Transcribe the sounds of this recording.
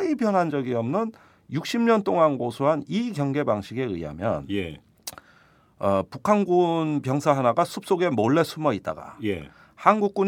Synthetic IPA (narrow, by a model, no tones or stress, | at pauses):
ipjʌnɦand͡ʑʌɡiʌmnɯn | juk̚ɕ͈ʰimɲʌnt͈oŋanɡosʰoɦaniɡjʌŋɡe̞baŋɕʰiɡe̞ɯjɦa̰mjʌ̰nj | ʌpukʰanɡunpjʌŋsʰaɦanaɡasʰup̚s͈oɡe̞moɭːe̞sʰumʌit̚t͈a̰ɡa̰je | hanɡuk̚k͈un